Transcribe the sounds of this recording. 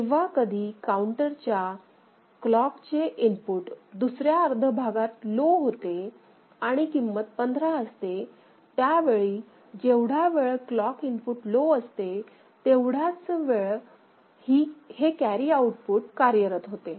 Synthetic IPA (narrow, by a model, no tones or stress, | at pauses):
eʋakəd̪ʱiːkauɳʈəɾt͡ɕja | klɔkt͡ɕeʔimpuʈd̪usɾjaəɾd̪ʱəbʱaɡat̪loɦot̪e | aɽ̃ikimːət̪̚pənd̪ʱɾaəst̪e | t̪jaʋeɭiː | d͡ʑeʋɽ̤aʋeɭklɔkimpuʈloəst̪e | t̪eʋɽ̤at͡sʋeɭ | hiːhekæɾiauʈpuʈkaɾjəɾət̪ɦot̪e